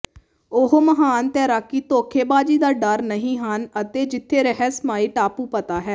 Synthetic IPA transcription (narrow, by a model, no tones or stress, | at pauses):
ʊɦoməɦaːnt̪ɛːɾaːkːiːt̪oːkʰeːbaːd͡ʒiːd̪aːɖəɾnəɦĩːɦənət̪eːd͡ʒɪt̪ʰːeːɾəɦɛːsmaːiːʈaːpuːpət̪aːɦɛː